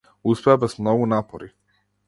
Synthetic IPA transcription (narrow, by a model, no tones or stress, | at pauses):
uspɛabɛsmnɔɡunapɔɾi